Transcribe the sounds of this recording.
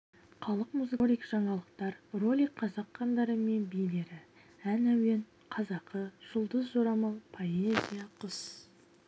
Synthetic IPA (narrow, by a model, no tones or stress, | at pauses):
χɑlˠəqmuzɨlʲijkʒ̥ɑɴɑlˠəqt̪ɑɾro̞lʲijkqʰːɑzɑqʰːɑnd̪ɑɾəme̞nbijle̞ɾɪ | ænæwe̞n | qʰɑzɑqʰəʒ̥ʊlˠd̪əzʒoɾɑmɑlˠpʰo̞ezʲijaqʰʊs